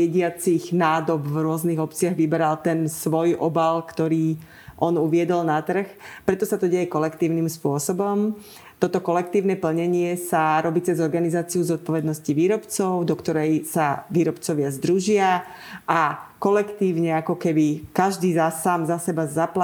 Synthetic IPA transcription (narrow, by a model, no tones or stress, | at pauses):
ɛɟɪat͡siɣnaːd̪ɔbvɾʊɔzniɣɔpt͡sɪaɣʋibɛɾalt̪ɛnsʋɔjʔɔbalkt̪ɔɾiː | ʔɔnuʋɪɛd̪ɔlnat̪r̩xpɾɛt̪ɔsat̪ɔɟɛjɛkɔlɛkt̪iːʊnimspʊɔsɔbɔm | t̪ɔt̪ɔkɔlɛk̚t̪iːʊnɛpl̩ɲɛɲɪɛsaɾɔbiːt͡sɛzɔɾɡanizaːt͡siuzɔt̪̚pɔʋɛd̪nɔsciʋiːɾɔpt͡sɔʊd̪ɔkt̪ɔɾɛjsaʋiːɾɔpt͡sɔʋɪazd̪ɾuʒɪa | ʔakɔlɛkt̪iːʊɲɛakɔkɛbikaʒd̪iːzasaːmzasɛbazapla